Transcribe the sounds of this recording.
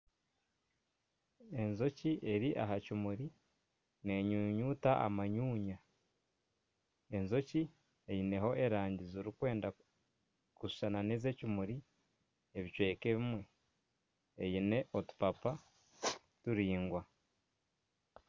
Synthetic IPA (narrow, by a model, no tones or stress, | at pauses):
e̞nzo̞ciʔe̞ɾiʔaɦacimuɾi | ne̞ːɲuɲuːtaʔa̰maɲuːɲa | e̞nzo̞ci | ejine̞ho̞ʔeɾaːɲɟizoɾikwe̞ːnda | kusu̥ʃananeze̞cimuɾi | eβit͡ʃwe̞ːkeβimwe̞ | ejine̞ʔotu̥papa | tuɾiːŋɡwa